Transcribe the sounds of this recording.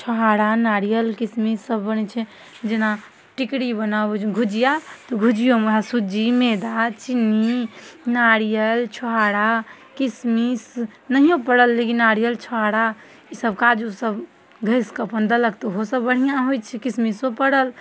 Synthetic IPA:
t͡ʃʰɔɦaɽanaɽijəlkismisəbːənɛt͡ʃʰɛ | d͡ʒena | ʈikɽibənabet͡ʃɡʱud͡ʒijat̪ɔɡʱud͡ʒijomeasud͡ʒimed̪at͡ʃinːinaɽijəlt͡ʃʰoɦaɽa | kismisnəɦijõpəɽəlːekinaɽijəlt͡ʃʰɔɦaɽa | isəbkad͡ʒosəb | ɡʱəjskəpənd̪ələk̚t̪ɔɦosəbːəɽ̤ijãɦojt͡ʃʰɛkismisõpəɽəl

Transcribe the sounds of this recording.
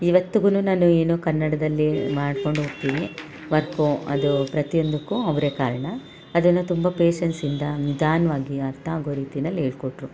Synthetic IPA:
iʋɐt̪ːuɡununaːnueːnuːkɐnːɐɽɐd̪ɐlːimaːɖko̞ɳɖoːɡ̚t̪iːʋi | ʋɐɾkuɐ̰d̪upɾɐt̪ijo̞nd̪ukːuɐʋɾeːkaːɾɐɳɐ | ɐd̪ɐnːut̪umbɐpeːʃɐnsind̪ɐnid̪aːnɐʋaːɡiɐɾt̪ʰɐɐɡoːɾiːt̪inɐlːeːɭkoʈɾu

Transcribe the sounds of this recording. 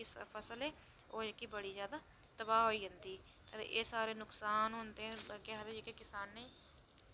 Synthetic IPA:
ɪspʰəsəlɛː | oːd͡ʒekːiːbəɽiːzjaːd̪aː | t̪əbaːɦoːiːɦənd̪iː | kəḛːʔeːsaːɾeːnʊksaːnɦʊnd̪ẽkɛɦd̪eːd͡ʒekekɪsaːnːeĩː

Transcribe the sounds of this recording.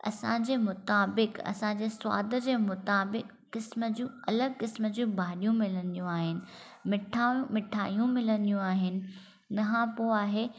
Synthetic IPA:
ɐ̰sãːd͡ʑeːmʊt̪aːbɪkɐ̰sãɲd͡ʑeːswa̰ːd̪ʱə̆d͡ʑeːmʊt̪aːbɪkːɪsməd͡ʑũːɐləɡ̚kɪsməd͡ʑũːbʱaːɗijũmɪlənjũaːɦɪnɪ̆ | mɪʈʰaːjũmɪʈʰa̰ːijũmɪlənijũaːɦɪnɪ̆ | nɐɦãpoaːɦeː

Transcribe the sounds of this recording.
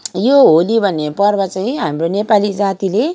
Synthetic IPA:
joɦolibʱʌnːepʌrbʌt͡saĩɦamronepalid͡zat̪ile

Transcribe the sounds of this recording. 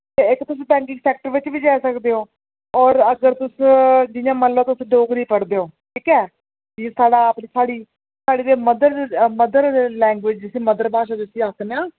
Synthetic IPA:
t̪eːɪkːt̪ʊs̬ĩːbɛ̃ːŋkɪ̃ŋɡsɛːk̚ʈəɾʋɪt͡ʃʋiːd͡ʒaːsəkd̪eːoː | ɔːɾəɡəɾt̪ʊsd͡ʒɪjãːməlːãːt̪ʊsɖoːɡniːpəɽd̪eːɦoːʈʰiːkɛː | d͡ʒĩsaːɖaːəpniːsaːɽiː | saːɽiːd̪eːməd̪əɾməd̪əɾlɛ̃ːŋɡʋɪd͡ʒd͡ʒɪsĩːməd̪əɾbaːʃ̬ãːd̪ɪʊsiːakʰneãː

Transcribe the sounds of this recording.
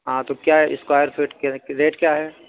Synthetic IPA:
ɦãːt̪okjaːɦɛʔɪskwaːjəɾfʰiʈkeɾeːʈkjaːɦɛː

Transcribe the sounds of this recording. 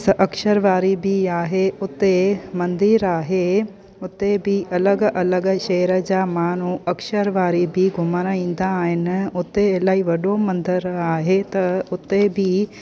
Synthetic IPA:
sʔɐkʃəɾʋaːɾibʱiaːɦeʊt̪emɐ̃nd̪iːɾaːɦe | ʊt̪ːebʱiɐləɡʔɐləɡʃɛːɾəd͡ʑaːmaːnuɐkʃəɾʋaːɾibʱiɡʱʊmaɾaĩːnd̪aɦɪnʊt̪elaːiʋɐɗomɐ̃nd̪əɾaːɦet̪ɐʊt̪ːebʱi

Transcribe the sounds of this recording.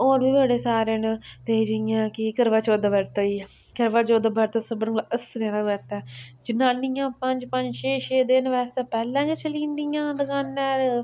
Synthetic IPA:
oːɾbiːʋaːɽeːsaːɾent̪eːd͡ʒəɪjãːkɪkəɾʋaːt͡ʃoːd̪abəɾt̪oːiː | kəɾʋaːt͡ʃoːd̪abəɾt̪asəbəɾɡlaʔəst̪ɾãːɾaːɡəɾt̪ɛːd͡ʒɪnãːnijãːpəɲd͡ʒpəɲd͡ʒt͡ʃʰeːʃeːd̪ɪnʋɛːst̪eːpɛːlɛ̃ːkət͡ʃəlĩːnd̪ijãːd̪əkaːnːɛːɾ

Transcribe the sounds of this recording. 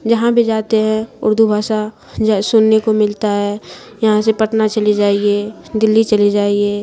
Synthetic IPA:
d͡ʒɐɦãbʱid͡ʒaːt̪eɦɛ̃ʊ̰ɾd̪ʱubʱaːʃa | d͡ʒsʊnːekomɪlt̪aɦɛː | jɐɦãsepəʈnat͡ʃɐlid͡ʒaːied̪ɪlːit͡ʃɐlid͡ʒaːieː

